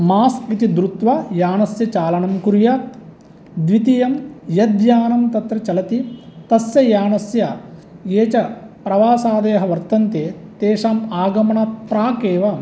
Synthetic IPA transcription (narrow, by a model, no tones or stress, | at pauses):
maːskit̪id̪ɾut̪ʋɐjaːnɐsjɐt͡ʃaːlɐɳɐmkuɾjɐ | d̪ʋit̪ijɐmjɐd̪jaːnɐmt̪ɐt̪ɾɐt͡ʃɐlɐt̪it̪ɐsjɐjaːnɐsjɐeːt͡ʃɐpɾɐʋaːsaːd̪eːɦɐʋɐɾt̪ɐnt̪eːt̪eːʂaːmaːɡɐmɐɳɐt̪pɾaːkeːʋɐ